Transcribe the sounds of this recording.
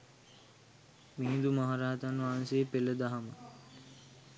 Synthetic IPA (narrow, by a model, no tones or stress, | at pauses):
miɦĩnd̪umaɦaɾaːt̪anʋaːnseːpeləd̪aɦamə